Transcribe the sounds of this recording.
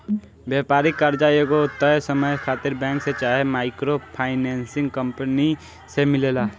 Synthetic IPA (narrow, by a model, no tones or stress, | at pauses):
bjɛːpaːɾɪkːəɾd͡ʒaeɡoʊt̪ːəesəməjkʰaːt̪ɪɾbɛ̃ːŋkset͡ʃaːɦemaːɪkɾopʰaːɪnɛːnsɪ̃ŋɡkə̃mpəni | semɪleːlaː